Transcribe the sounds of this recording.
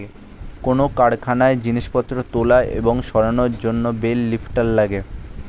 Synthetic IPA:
e | konokaɽkʰanaed͡ʑiniʃpɔt̪ːɾot̪olaʔḛboŋʃɔɾanoɾd͡ʑonːobelːifʈalːaɡe

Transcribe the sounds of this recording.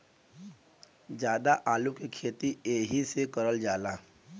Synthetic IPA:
d͡ʒjaːd̪aʔaːlũkekʰeːt̪ieːɦisekɐɾəld͡ʒaːlaː

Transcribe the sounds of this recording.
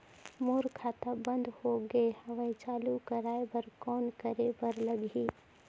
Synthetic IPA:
moːɾkʰaːt̪abə̃nd̪hoɡəehəʋə̃ĩt͡ʃaːlukəɾaːebəɾkɔːnkəɾebəɾləɡiː

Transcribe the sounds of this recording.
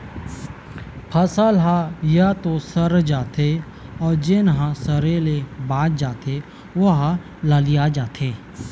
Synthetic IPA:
pʰəsəlɦãjat̪osəɾd͡ʒaːt̪ʰe | ɔːɾd͡ʒenɦãsəɾelebaːt̪̚d͡ʒaːt̪ʰe | ʋʊɦa | ləlijad͡ʒaːt̪ʰeː

